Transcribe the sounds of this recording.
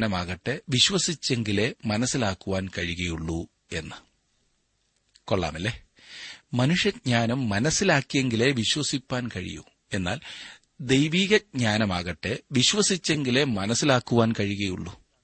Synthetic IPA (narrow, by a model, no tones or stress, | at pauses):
nɐmaːɣɐʈːeʋiɕʋɐsit͡ɕːe̞ŋɡile̞mɐnɐsːilaːkːuʋaːnkɐɻiɣɐjuɭːu | e̞nːɨ | koɭːa̰ːmɐlːe | mɐnuʂjɐɲaːnumːɐnɐsːilaːkːije̞ŋɡile̞ʋiɕwɐsipːaːnkɐɻḭjṵ | e̞nːa̰ːl | d̪e̞jʋiːɣɐɲaːnɐmaːɣɐʈːeʋiɕʋɐsit͡ɕːe̞ŋɡile̞mɐnɐsilaːkːuʋaːnkɐɻiɣɐjuɭːu